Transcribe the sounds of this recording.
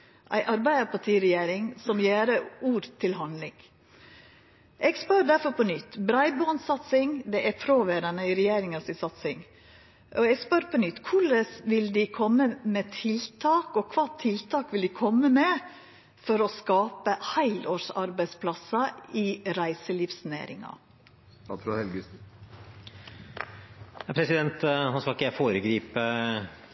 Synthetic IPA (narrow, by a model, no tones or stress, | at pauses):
ʔæ̰ɪʔɑɾbæɪəpɑʈʰiːɾɛjeːɾɪŋsɔmjæːɾəuːɾt̪ʰɪlɦɑnlɪŋ | ʔɛɡspœɾd̪æɾfɔɾpʰɔnʏt̪ːbɾɑɪbɑːnsɑt̪sɪŋd̪ɛʔæɾpʰɾoʋeːɾɑnəɪɾɛjeːɾɪŋɑsɪsɑt̪sɪŋ | ʔɔɛɡspœɾpʰɔnʏt̪ːkʰʊɭəsʋɪld̪ɪkʰɔmːəmɛt̪ʰɪlt̪ʰɑːkɔkʰʋɑːt̪ʰɪlt̪ʰɑːkʋɪld̪ɪkʰɔmːəmɛ | fɔɾɔskɑːpəhæɪloːʂɑ̰ɾbæɪspʰlɑsɑɪɾæɪsəliːfsnæ̰ːɾɪ̰ŋɑ̰ | ɾhɛlɡ | ɑpʰɾɛsɪd̪ɛnt̪hɑnskɑlkəjæɪfoːɾəɡɾiːpə